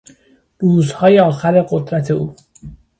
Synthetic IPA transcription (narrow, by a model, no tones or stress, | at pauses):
ɾuːzhɒːje̞ɒːxæɾe̞ɢo̞d̪ɾæt̪ʰe̞uː